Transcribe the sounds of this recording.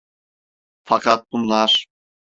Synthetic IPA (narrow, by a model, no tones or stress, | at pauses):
fakʰat̪̚bunlˠaɾ̥